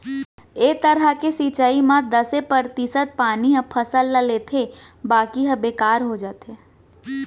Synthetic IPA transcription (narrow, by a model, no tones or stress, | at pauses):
eːt̪əɾəkesiːt͡ʃaːimãd̪ɐsepəɾt̪isət̪̚paːniɦɐ̃pʰɐsəlːaleːt̪ʰe | baːkiɦə̃beːkaːɾɦod͡ʒaːt̪e